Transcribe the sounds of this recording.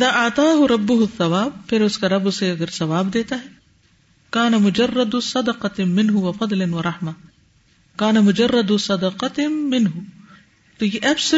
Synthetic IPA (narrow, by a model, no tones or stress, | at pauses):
ɪðaːʔɐʕt̪ˤɑːɦʊɾɐbːʊɦʊθːɐwaːb̚pʰɪɾʊskaɾɐbseɐɡɐɾsɐʋaːbd̪eːt̪aɦɛ | kaːnɐmʊd͡ʒɐrˤːɐd̪sɐd̪ɐqɑmɪnɦʊwɐfɐd̪ˤlɪnwɐɾˤɑħmɐ | kaːnɐmʊd͡ʒɐrːɐd̪sɐd̪ɐqɑmɪnɦʊ | t̪oːjeʔɛbs